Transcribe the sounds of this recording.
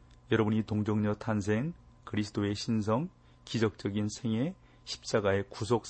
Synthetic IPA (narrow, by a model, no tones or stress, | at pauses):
jʌɾʌbuɲitoŋd͡ʑʌŋɲʌtʰans̬ʰe̞ŋ | kɯɾisʰdoe̞ɕʰins̬ʰʌŋ | kid͡ʑʌk̚t͡ɕ͈ʌɡinsʰe̞ŋe̞ | ɕʰi̥p̚t͡ɕ͈aɡae̞kus̬ʰok̚s